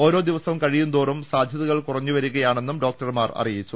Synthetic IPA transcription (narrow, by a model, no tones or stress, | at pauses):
o̞ːɾo̞ːd̪iʋɐsɐmkɐɻijund̪oːrumsaːd̪ʱjɐðɐɣɐɭkurɐɲːuʋɐɾuɣɐjaːɳe̞nːumɖo̞ːk̚ʈɐrmaːrɐ̰rijit͡ɕːu